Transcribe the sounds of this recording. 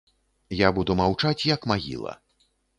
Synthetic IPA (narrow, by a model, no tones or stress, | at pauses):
jabud̪umawt͡ʂat͡sʲjɐkmaɣʲḭlˠɐ̰